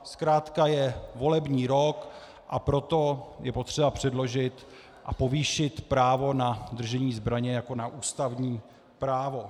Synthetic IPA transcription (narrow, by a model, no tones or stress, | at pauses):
skɾaːt̪kajɛvo̞lɛbɲiːɾo̞k | ʔapɾo̞t̪o̞jʔɛpo̞t̪r̝̥ɛbapr̝̥ɛdlo̞ʒɪt̪ | ʔapo̞viːʃɪt̪pɾaːvo̞nad̪r̩ʒɛɲiːzbɾaɲɛjako̞naʔuːst̪avɲiː | pɾaːvo̞